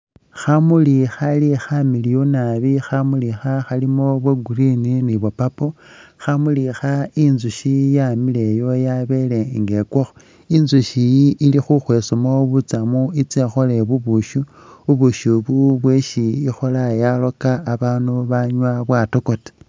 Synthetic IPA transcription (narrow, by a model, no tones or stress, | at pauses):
xamulixalixamilijonaβixamulixaxalimoβweɡurininiβopapoxamulixainzuʃijamilejo̞jaβe̞le̞ŋɡe̞kwoxo | inzuʃijiʔilixuxwe̞ːsomoβut͡samuit͡sexole̞βuβuʃu | uβuʃuβuβweʃiixolajalo̞kaːβaːnuβaɲwaβwatoko̞te̥